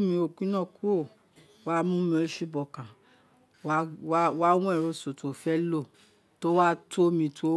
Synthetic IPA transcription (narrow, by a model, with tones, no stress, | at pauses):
mĩ˧o˧ɡĩ˦nã˦˨ku˦o˦˨ | wa˦mũ˦mĩ˧˦ʃi˦bɔ˨kã˨ | wa˦wa˦w̃ɔ̃˦ɛ˦˨ɾo˧so˨to˨fɛ˦lo˦˨ | to˦wa˦tʰo˦mĩ˧tʰu˦o˦